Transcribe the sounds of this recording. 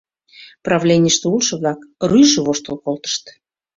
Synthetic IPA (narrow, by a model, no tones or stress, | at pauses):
prɑvlʲenʲijəʃt̪eulˠʃɤ̆βlɑkryjʒə̆βoʃt̪olˠkolˠt̪ə̥ʃt̪